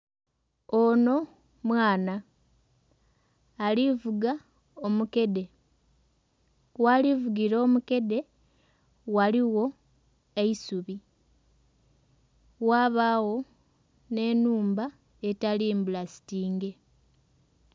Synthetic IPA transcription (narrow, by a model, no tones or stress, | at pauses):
ono̞ | mwaːna | livuɡa | omuke̞de̞ | walivuɡiɾo̞ːmuke̞de̞ | waliwo̞ | eisuβi | waːβaːwo̞ | ne̞nuːmba | e̞taliːmbulasi̥tiːŋɡe̞